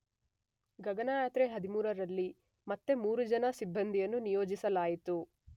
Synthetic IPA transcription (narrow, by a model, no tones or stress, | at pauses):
ɡɐɡɐnaːjaːt̪ɾeɦɐd̪imuːɾɐɾɐlːi | mɐt̪ːe̞muːɾud͡ʒɐnɐsibʱːɐnd̪ʱijɐnːunijoːd͡ʒisɐlaːjit̪u